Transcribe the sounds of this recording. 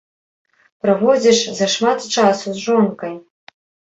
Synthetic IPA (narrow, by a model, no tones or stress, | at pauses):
pɾavɔd͡zʲiʂzɐʂmat̪t͡ʂasuzʐɔnkɐj